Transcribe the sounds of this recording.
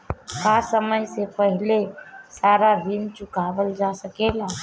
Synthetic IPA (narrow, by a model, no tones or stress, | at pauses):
kasəməjsepəɦilesaɾaɾint͡ʃʊkabəld͡ʒasəkela